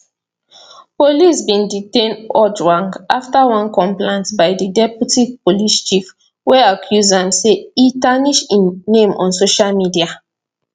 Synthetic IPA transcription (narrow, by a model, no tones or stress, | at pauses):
polisbĩnditẽnɔd͡ʒɹãŋɡʔaftawãnkɔ̃mplẽntbajdidɛputipolist͡ʃif | wɛakʰjuzãnseitaniʃiːẽmʔɔ̰̃nsoʃalmidia